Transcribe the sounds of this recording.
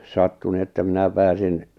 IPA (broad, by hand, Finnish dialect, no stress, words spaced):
sɑtːu nĭ etːæ mĭnæ pæːsin